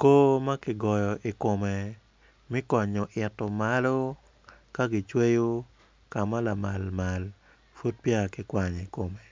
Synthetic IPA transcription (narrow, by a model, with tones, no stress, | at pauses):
ko˦ma˦kɪ˦ɡɔ˨jɔ˨ʔi˨ko˨me˨ | mi˦kɔ˨ɲo˨ʔɪ˨tːo˨ma˨lo˦ | ka˦ɡɪ˨t͡ʃwe˦jo˦ | ka˨ma˦la˨ma˨lma˨l | fu˦t̚pja˦˨kɪ˦kwa˨ɲi˨ko˨me˨